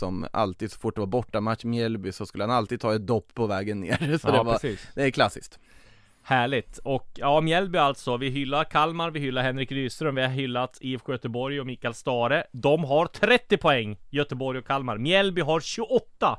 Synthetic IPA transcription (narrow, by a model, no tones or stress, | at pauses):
sɔma̰lt̪iːd̪sɔ̥fʊʈ̚ːd̪ɛvaɾbɔʈːamat̪ʂmɪɛlbʏsɔskɵlːəhanalt̪iːd̪t̪ʰɑːɛt̪̚d̪ɔpːɔvɛːɡənːḛːɾsɔɔdɛvaɾsiːsd̪̥ɛæɾkʰlasːɪskt̪ | hæːɭɪt̪ɔkjɑːmjɛlbʏalt̪sɔvɪɦʏlːaɾkʰalmaɾvɪɦʏlːaɾɦɛnɾɪkɾyːst̪ɾɵmvɪhaɾɦʏlːat̪ifɧøːt̪əbɔɾjɔmiːkalst̪ɑːɾəd̪ɔmɦaɾt̪ʰɾɛt̪ːɪpʰɔɛŋːjœt̪əbɔɾjɔkʰːalmaɾmjɛlbʏɦaɾɕɵɡɔt̪ːa